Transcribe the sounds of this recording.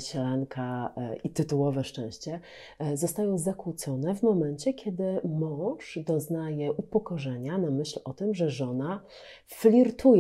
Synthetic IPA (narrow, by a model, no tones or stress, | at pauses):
ɕɛlaŋkʰaʔit̪ɘt̪uwɔvɛʂt͡ʂɛ̃w̃ɕt͡ɕɛ | zɔst̪ajɔ̃w̃zakwut̪sɔnɛvmɔmɛnt͡ɕɛkʲjɛd̪ɘmɔ̃w̃ʂd̪ɔznajɛʔupɔkɔʐɛɲanamɘɕlɔt̪ɘmʐɛʐɔna | flʲiɾt̪uj